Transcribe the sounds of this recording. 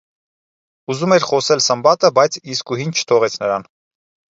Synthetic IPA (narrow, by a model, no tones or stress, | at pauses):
uzumɛɾχɔsɛlsəmbɑt̪əbɑjt͡sʰiskuɦint͡ʃʰə̥t̪ʰɔʁɛt͡sʰnəɾɑn